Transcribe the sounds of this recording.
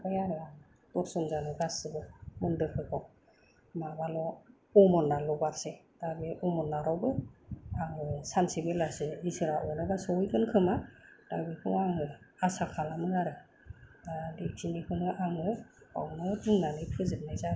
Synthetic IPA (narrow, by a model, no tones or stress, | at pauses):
bajaɾɯaŋ | tɔɾsɔŋzanɯɡasɯbɯmɯndɯkʰɯkʰɔ | mabalɔ | ɔmɔnːalɔbaɾse | d̥abeʔɔmɔnːaɾawbɯaŋɯsansibelasɯisɯɾaʔɔnɔbasɔujkɯnkʰɯmad̥abikʰɯŋaŋɯasakʰalamɯŋaɾɯ | lek̚sinikʰɯnɯʔaŋɯa̰wnɔdɯŋnanɯjpʰɯzɯp̚najza